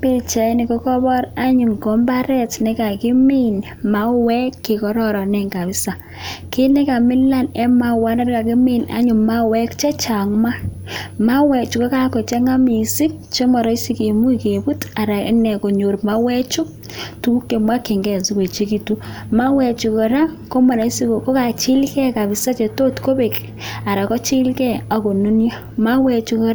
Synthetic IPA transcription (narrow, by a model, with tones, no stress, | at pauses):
pe˦t͡ʃa˨˦nɪ˨kɔ˦kɔ˦bɔ˦ɾa˦ɲu˨ŋkɔ˨˦mba˦ɾɛ˦tne˦ka˨kɪ˦mi˦n | ma˦wɛ˦kːe˨kɔ˨ɾɔ˦˨ɾɔ˨nɛ˦ŋɡa˨βɪ˦sa˨ | ke˦ne˦ka˨mɪ˦lːa˦nɛ˦ma˦wa˦na˦ɾka˨kɪ˦mi˦na̰˦ɲu˨ma˦wɛ˦kt͡ʃɛ˦t͡ʃa˨ŋma˦ | ma˦wɛ˨t͡ʃu˨ka˦ka˦kɔ˨t͡ʃɛ˦ŋa˦mi˨si˦k̚ | t͡ʃo˦ma˨ɾa˨˦i˦si˦ke˨mu˦i˨ke˨bu˦ta˨ɾa˨˦nɛ˨ko˨ɲo˨ɾma˦wɛ˦t͡ʃʊ˦k | tu˦ku˦kːe˨mwa˦ke˨ŋɡɛ˨zi˦kwe˨t͡ʃe˦ki˨tu˦ | ma˦wɛ˨t͡ʃu˨kɔ˨ɾa˦ko˦ma˨ɾa˨i˦si˦ko˨ko˦ka˨t͡ʃi˦lkɛ˦ka˨bɪ˨sa˦t͡ʃe˨to˦tko˦be˨k | a˨ɾa˨kɔ˦t͡ʃi˦lkɛ˦a˨ko˨nu˦nja˦ | ma˦wɛ˨t͡ʃu˨kɔ˨ɾ